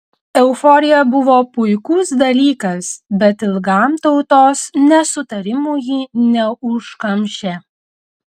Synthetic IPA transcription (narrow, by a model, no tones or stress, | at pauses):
ɛʊfɔɾʲɪjɛbʊʋoːpʊɪkusd̪ɐlʲiːkɐsbʲɛt̪ɪlˠɡɑˑmt̪ɒʊt̪oːsnʲɛsʊt̪ɐɾʲɪmuːjinʲɛʊʃkɐmʲʃʲeː